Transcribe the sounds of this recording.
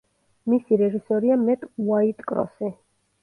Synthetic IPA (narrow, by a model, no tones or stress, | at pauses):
misiɾɛʒisɔɾiamɛt̪ʼuait̪ʼkʼɾɔ̰sɛ